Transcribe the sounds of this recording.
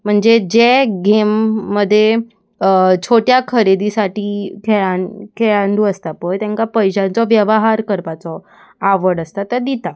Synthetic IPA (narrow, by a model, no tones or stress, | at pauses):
m̤əɳd͡zed͡ʑeɡemːəd̪ʱːje | t͡ɕʰoʈjakʰəɾed̪isaʈiːkʰɛɭankʰeɭand̪uəst̪apəjt̪ɛ̃ŋkapəjɕãnt͡sɔʋjəʋəɦaɾkəɾpat͡sɔ | aʋəɽəst̪at̪ːəd̪it̪a